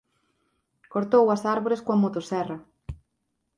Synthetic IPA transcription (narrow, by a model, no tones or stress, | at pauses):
koɾt̪owɐsaɾβoɾeskoɐmot̪osɛrɐ